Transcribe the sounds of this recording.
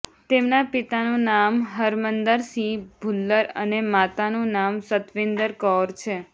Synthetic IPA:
t̪emnapit̪anũnamɦəɾmənd̪əɾsĩbʱulːəɾənemat̪anũnamsət̪ʋɪnd̪əɾkɔɾt͡ʃʰe

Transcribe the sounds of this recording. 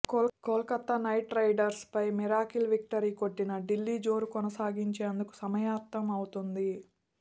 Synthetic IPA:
kolkɐt̪ːɐnɐjʈɾɐjɖɐɾspɐjmiɾaːkilʋik̚ʈɐɾiːko̞ʈːinɐɖilːiːd͡ʒo̞ːɾukɔnɐsaːɡiɲt͡ʃeɐnd̪uku̥sɐmɐjaːɾt̪ːɐmɐwut̪und̪i

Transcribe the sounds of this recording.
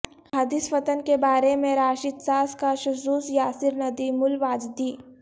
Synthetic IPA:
had̪ɪsfɐt̪ənkebaːɾemẽɾaːʃit̪saːskaʃʊsuːsjaːsɪɾnɐd̪imʊlʋaːd͡ʒd̪iː

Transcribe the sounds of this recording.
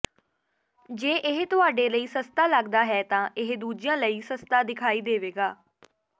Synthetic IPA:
d͡ʒeːʔɪɦt̪ʊaːɖeːləiːsəst̪aːləɡd̪aːɦɛːt̪ãːʔɪɦd̪uːd͡ʒɪjãːləiːsəst̪aːd̪ɪkʰaːiːd̪eːʋeːɡaː

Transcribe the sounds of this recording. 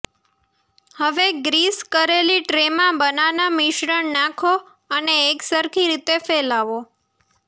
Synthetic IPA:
həʋeɡɾiskəɾeliʈɾemãbənaʋnamɪʃɾəɳnãkʰo | əneːksəɾkʰiɾit̪efelaʋo

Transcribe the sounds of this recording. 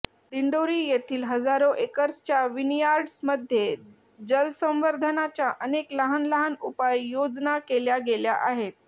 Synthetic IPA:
d̪iɳɖoɾiːjet̪ʰiːlɦəd͡zaɾoʔekəɾsə̥t͡ɕjaʋinjaɾɖsməd̪ʱje | d͡ʑəlsə̃mʋəɾd̪ʱənat͡ɕjaʔənekləɦənləɦanupajːod͡znakeljaɡeljaʔaɦet̪̚

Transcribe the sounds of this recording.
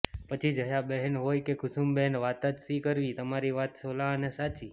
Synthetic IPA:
pət͡ʃʰid͡ʒəjabɛɦɛnɦojkekʊsumbɛɦɛnʋat̪ad͡ʒsikəɾʋit̪əmaɾiʋat̪solanesat͡ʃi

